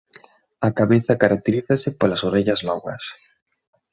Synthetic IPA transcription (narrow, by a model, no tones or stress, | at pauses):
ɐkaβeθɐkaɾak̚t̪eɾiθɐsɪpalasoɾeʎɐznɔɣɐ̰s